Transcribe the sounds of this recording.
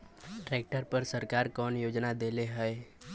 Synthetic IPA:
ʈɾeːk̚ʈəɾpəɾsəɾkaːɾkɔːnjoːd͡ʒnad̪eːleɦəe

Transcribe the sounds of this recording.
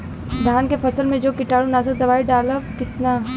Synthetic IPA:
d̪ʱaːnkefɐsəlmẽd͡ʒoːkɪʈaːɾunaːsəd̪ɐʋaːiɖaːlakɪt̪na

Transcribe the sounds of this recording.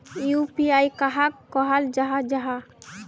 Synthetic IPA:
jupiajkaɦakːɔɦəld͡ʒaɦad͡ʒaɦa

